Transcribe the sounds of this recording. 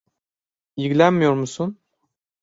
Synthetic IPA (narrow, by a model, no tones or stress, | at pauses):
jiɡʲlʲænmijoɾmusun